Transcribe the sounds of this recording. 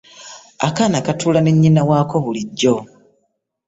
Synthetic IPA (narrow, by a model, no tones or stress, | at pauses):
a̰kanakatuːlaneɲːinawaːko̞βuliɟːo̞